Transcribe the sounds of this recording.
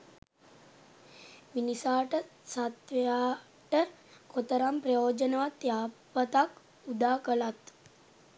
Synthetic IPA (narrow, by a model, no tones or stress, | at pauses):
minisaːʈəsat̪ʋejaː | ʈəkot̪əɾamprəjoːd͡ʒənəʋat̪jaːpət̪ak | ud̪aːkəlat̪